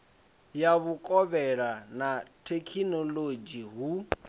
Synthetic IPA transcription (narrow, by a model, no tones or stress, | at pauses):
jaβukʼɔβɛɺanatʰekʰinɔlod͡ʒiɦu